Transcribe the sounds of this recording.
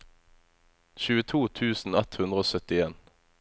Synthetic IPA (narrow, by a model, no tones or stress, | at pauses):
çʉːət̪ʰuːt̪ʰʉːsn̩ɛt̪hʉnd̪ʁəoːsœt̪ɪeːn